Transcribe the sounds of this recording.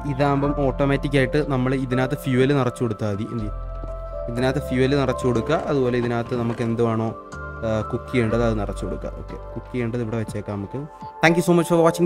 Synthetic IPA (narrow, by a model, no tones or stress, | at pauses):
iðaːmbɐmo̞ːʈːomaːtːik̬ʲːaːjiʈːɨnɐmːɐɭiðinaːt̪ːɐfjuːɐlɨnirɐt͡ɕːkoɽut̪ːaːɐðiʔnd̪i | iðinaːt̪ːɐfjuɐlɨnirɐt͡ɕːukoɽukːɐʔɐðubo̞ːle̞iðinaːt̪ːɨnɐmukːe̞nd̪uʋaːɳo̞ː | kukːijeːɳɖɐðɐðɨnirɐt͡ɕːukoɽukːa̰o̞̰ːkːe̞̰kukːijeːɳɖɐðiʋiɽeʋet͡ɕːeːkːanɐmukːɨt̪ʰaːŋkjusoːmɐt͡ɕfɐʋaːt͡ɕːi